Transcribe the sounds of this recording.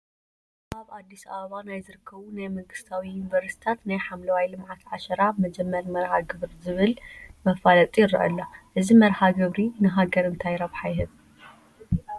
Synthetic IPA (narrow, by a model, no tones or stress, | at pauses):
aβad̪ːisaβɐβanajzɨɾɨkʰːɐβunajmɐŋɡɨst̪ʰawijunivɐɾst̪i̥t̪ʰat̪najħamlɐwajlɨmʕat̪ʰʕaʃɐɾamɐd͡ʒɛmːɐɾmɐɾhaɡɨβɾizɨβɨlmɐfalɐt̪ʼijɪɾɐʔɐ̰lːaʔɨzimɐɾħaɡɨβɾinɨɦaɡɐɾɨnt̪ʰajɾaβħajhɨβ